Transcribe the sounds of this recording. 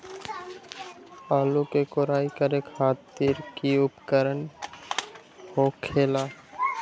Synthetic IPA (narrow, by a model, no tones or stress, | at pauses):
alukekoɾajkaɾekʰat̪ːiɾkiupkəɾən | hokʰela